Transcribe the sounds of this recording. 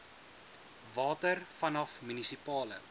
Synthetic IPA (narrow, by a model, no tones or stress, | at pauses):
vɑːtərfɐnɐfmynisipɑːlə̰